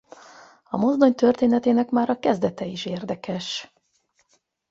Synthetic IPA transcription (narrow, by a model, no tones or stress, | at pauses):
ɒmo̞zd̪o̞ɲt̪ørt̪eːnɛt̪eːnɛkmaːɾɒkɛzd̪ɛt̪ɛiʃeːrd̪ɛkɛʃ